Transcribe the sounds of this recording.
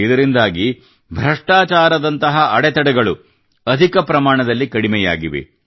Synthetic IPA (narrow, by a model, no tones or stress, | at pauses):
id̪ɐɾind̪aːɡi | bʱɾɐʂʈaːt͡ʃaːɾɐd̪ɐnt̪ɐɦɐʔɐɽɛt̪ɐɽɛɡɐɭu | ɐd̪ʱikɐpɾɐmaːɳɐd̪ɐlːikɐɽimɛja̰ːɡiʋḛ